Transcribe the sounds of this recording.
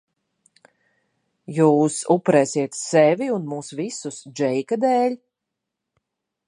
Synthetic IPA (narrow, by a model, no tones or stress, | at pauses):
juːsupɾɛːsiɛt̪sɛviunmuːsvisusd͡ʒɛjkad̪ɛːlʲ